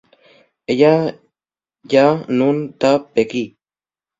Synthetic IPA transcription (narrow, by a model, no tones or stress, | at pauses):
eja | janunt̪apeki